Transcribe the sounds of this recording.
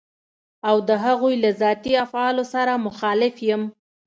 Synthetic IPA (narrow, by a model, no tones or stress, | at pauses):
awd̪əɦaɣujlazɑt̪iafʕɑlosaɾamʊxɑlɪfjəm